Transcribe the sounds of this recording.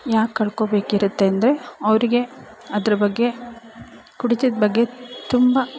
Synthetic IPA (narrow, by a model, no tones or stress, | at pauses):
jaːkːɐɭkoːbe̞ːkiɾut̪ːe̞ːnd̪ɐɾe̞ɐʋɾiɡe̞ | ɐd̪ɐɾɐbɐɡːe̞ | kuɽit̪id̪bɐɡːe̞t̪umbɐ